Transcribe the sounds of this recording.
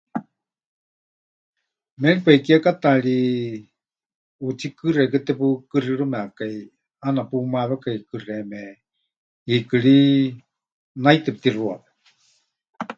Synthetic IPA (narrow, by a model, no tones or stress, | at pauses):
mɛɺipekiakat̪aɺi | ut͡sʰikɨrɛkɨt̪ɛpukɨriɺɨmɛakai | anapumaβɛkaikɨrɛmɛ | ikɨɺi | nait̪ɛput̪iruapɛ̥